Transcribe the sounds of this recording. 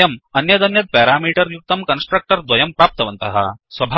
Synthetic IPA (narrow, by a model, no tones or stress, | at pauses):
ɐmɐnjɐd̪ɐnjɐt̪̚pɛːɾaːmiːʈɐɾjuk̚t̪ɐmkɐnsʈɾɐk̚ʈɐɾd̪ʋɐjɐmpɾaːp̚t̪ɐʋɐnt̪ɐɦɐ̰sʋɐbʱa